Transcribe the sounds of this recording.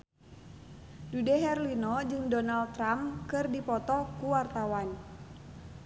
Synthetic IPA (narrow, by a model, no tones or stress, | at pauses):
dudɛɦɛrlinɔd͡ʒɨŋdɔnalt̪ːɾamkɨrdipɔt̪ɔkuwart̪awan